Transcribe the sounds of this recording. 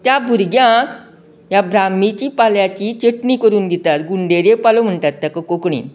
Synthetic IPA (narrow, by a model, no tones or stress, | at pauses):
t̪jabʱuɾɡjãk | jabɾamit͡ɕipaljat͡ɕit͡ɕeʈnikəɾuːnd̪it̪at̪ɡuɳɖeɾjepalom̤əɳt̪at̪ːjakəkokɳḭ